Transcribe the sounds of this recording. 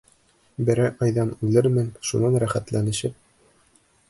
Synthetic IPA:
bɘ̆ɾæʔɑjðɑnʉlɘɾmɘnʃunɑnɾæχæt̪lænɘ̆ʃɘp̚

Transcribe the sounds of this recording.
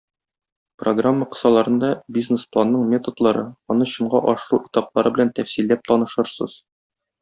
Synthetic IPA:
proɡramːəqɤ̥̆sɑlˠɑɾɤ̆nd̪ɑbʲiznesplˠanːɤɴmʲe̞t̪od̪lˠɑɾɤɒnɤɕɤ̆ɴɢɑʔɒʃɤ̆ɾuʔit̪ɑplˠɑɾɤbɘlænt̪æfsilːæp̚t̪ɒnɤ̆ʃɤ̆ɾsɤ̰z̥

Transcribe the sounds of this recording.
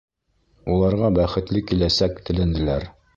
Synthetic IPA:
ulˠɑɾʁɑbæχɘ̆t̪lɘkilæsækt̪ʰɘ̆lɘ̆nd̪ɘ̆læɾ

